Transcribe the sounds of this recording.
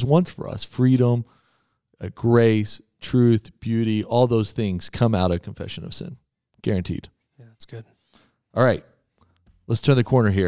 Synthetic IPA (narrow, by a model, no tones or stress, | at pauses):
zwʌ̃nsfə̰˞ʌ̰sfɹiɾə̃m | ɡ̥ɹeɪs | tʰɹ̥ʉθb̥jʉɾiʔɔlˠðoʊz̥θɪ̃ŋz̥kʰʌ̃maʊɾʌv̥kʰɱ̩fɛ̰ʃɨ̃nʌ̰v̥sɪ̰̃n | ɡ̥ɛɹɨ̃ntʰḭd̥ | jæætsɡ̥ʊd̥̚ | ʔɑlˠɹaɪt̚ | lətstʰɜ̃˞nðɨkʰɔɹnə˞ɦi